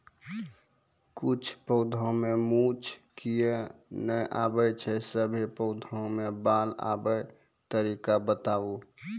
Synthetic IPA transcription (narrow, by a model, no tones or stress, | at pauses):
kʊt͡ʃʰpəʊd̪ʱõmemut͡ʃkijenəjʔa̰ːbəjt͡ʃʰɛsəbʱipəʊd̪ʱõmebaːla̰bəj | t̪əɾikabət̪aːu